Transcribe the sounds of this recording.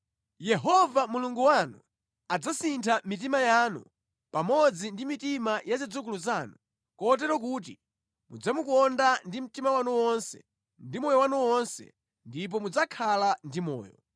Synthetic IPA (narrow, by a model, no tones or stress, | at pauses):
jɛɦɔvamuluŋɡuwanu | ad͡zasintʰamit̬imajaːnṵ | pamɔd͡zindimitimajazid͡zuk̬uluzaːnu | kɔt̬ɛɾɔk̬uːt̬ḭ | mud͡zamukɔndandim̩timawanuwɔnsɛ̰ | ndimɔjɔwanuwɔnsɛ̰ | ndip̬ɔmud͡zakʰalandimɔ̰ːjɔ̰